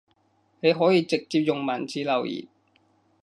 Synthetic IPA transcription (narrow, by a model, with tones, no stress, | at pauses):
ne˨˧jɦɔː˨˥jiː˧t͡sɪ˨k̚t͡siː˧p̚jʊ˨ŋmɐ˨˩nt͡siː˨˧lɐ˨˩wjḭː˨˩t̚